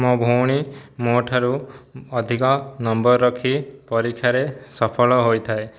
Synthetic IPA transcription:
mɔbʱoɽ̃imoʈʰaɾuɔd̪ʱikɔnɔmbɔɾɾɔkʰipɔɾikʰːjaɾesɔpʰɔlɔɦojt̪ʰae

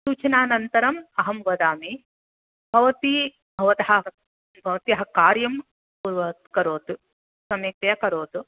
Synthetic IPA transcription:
suːt͡ʃɐnaːnɐnt̪ɐɾɐmɐɦɐmʋɐd̪aːmi | bʱɐʋɐt̪i | bʱɐʋɐt̪ɐɦɐ | bʱɐʋɐt̪jɐɦɐkaːɾjɐm | puɾʋɐt̪kɐɾoːt̪u | sɐmjɐk̚t̪ɐjɐkɐɾoːt̪u

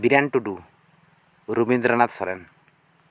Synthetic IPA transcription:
biɾaɳʈuɖu | ɾubind̪ɾanat̪sɔɾɛn

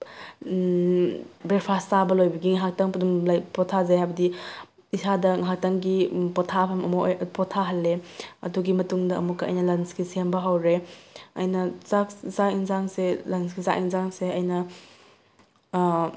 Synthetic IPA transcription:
bɾeɾpʰastabɐlojbɐɡiŋaɦak̚taŋpdumlapɔtʰːazajhajbɐdi | isʰadɐŋɦak̚taŋɡipɔtʰapʰɐmɐmɐjpɔtʰaɦɐlːeɐ̰duɡimɐtuŋdɐɐ̰mukːɐɐ̰jnɐlɐnskisiambɐɦawɾeɐ̰jnɐzakzaiŋzaŋselɐnsɡiza̰ʔiŋzaŋseɐjnɐ

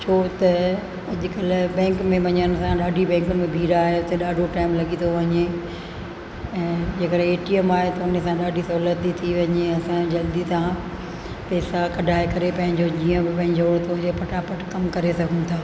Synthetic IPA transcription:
t͡ɕʰoːt̪ɐ | ɐʄʊkɐlbɛ̃ːŋkmẽʋɐɲənsãɗaːɖʱibɛ̃ːŋkʊnɪ̆mẽbʱiːɾaːɦeʊt̪eɗaːɖʱoʈaːɪmlɐɠit̪ʰoʋɐɲe | ɛ̃ːd͡ʑeːkəɗeːʈiəmaːɦet̪ɐʊnsãɗaːɖʱisɐɦulət̪ːit̪ʰiʋɐɲeɐsãd͡ʑɐld̪it̪ã | pɛːsakɐɖʱaːekɐɾepɐ̃ɦɪ̃ɲd͡ʑod͡ʑiːə̃bɪpɐ̃ɦɪ̃ɲd͡ʑoːɽt̪ʰod͡ʑepɐʈʰapəʈkɐmkɐɾesɐɡʱʊ̃nt̪ʰaː

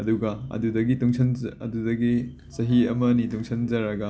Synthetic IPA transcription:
ɐduɡɐɐ̰dudɐɡituŋsʰɐnɐ̰dudɐɡi | sɐɦiɐmɐnituŋsʰɐnzɐɾɐɡɐ

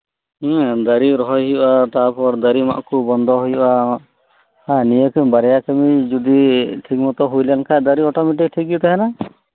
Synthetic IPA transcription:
d̪aɾiɾɔɦɔjɦibat̪apɔɾd̪aɾima̰ʔkubɔnd̪ʱɔɦujba | hãnijɔkɛmbaɾɛjakemid͡ʒud̪iʈʰik̚mɔt̪ɔɦujlankʰad̪aɾiɔʈɔmeʈik̚ʈʰik̚but̪aɦɛna

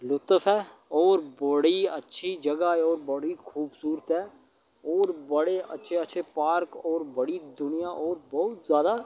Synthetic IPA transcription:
lʊt̪əfɛːɔːɾbəɽiə̰tːʃʰid͡ʒəɡaɛɔːɾbəɽikʰuːbsuːɾət̪ɦɛː | ɔːɾbəɽeə̰tːʃʰeətːʃʰepaːɾkɔːɾbəɽid̪ʊnijaʔɔːɾbɔɦʊt̪zjaːd̪a

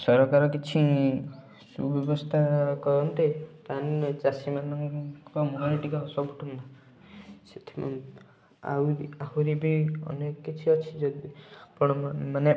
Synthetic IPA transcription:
sɔɾɔkaɾɔkit͡ʃʰi | sṵbɔbɔst̪ʰakɔɾɔnt̪et̪ant͡ʃasimanɔŋkɔmɔnaliʈikɔɔsɔbuʈʰund̪ɔ | set̪ʰi̥m̰ | a̰aɦuɾibiɔ̰nekɔkit͡ʃʰiɔt͡ʃʰid͡ʒɔdpɔɳ̃ɔmane

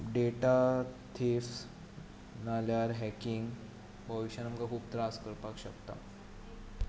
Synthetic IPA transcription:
ɖeʈat̪ʰef | naljaɾɦɛkiŋɡ | bəʋiɕanamkakʰuːpt̪ɾaskəɾpakɕəkt̪a̰

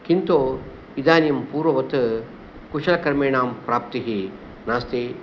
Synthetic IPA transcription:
kint̪oː | id̪aːnjɐmpuːɾʋɐʋɐt̪ɨ | kuʃɐlɐkɐɾmeːɳaːmpɾaːp̚t̪iɦi | naːst̪i

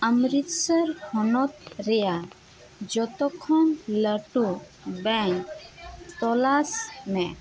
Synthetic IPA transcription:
amɾit̪səɾhɔnɔt̪ɾɛja | d͡ʒɔt̪ɔkʰːɔnləʈu | bɛŋkt̪ɔlasnɛ

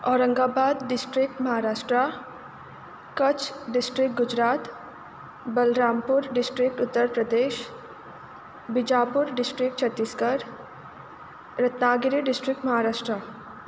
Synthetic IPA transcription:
ɔːɾə̃ŋɡaːbaːd̪ɖɪsʈɾɪk̚ʈmɐɦaːɾaːʃʈɾa | kɐt͡ʃʰɖɪsʈɾɪk̚ɡʊd͡ʒɾaːt̪ | bəlɾaːmpʊɾɖɪsʈɾɪk̚ʈʊt̪ːəɾpɾəd̪eːʃ | bɪd͡ʒaːpʊɾɖɪsʈɾɪk̚ʈt͡ʃʰət̪ːiːskəɾ | ɾɐt̪naːɡɪɾiɖɪsʈɾɪk̚ʈmɐɦaːɾaːʃʈɾa

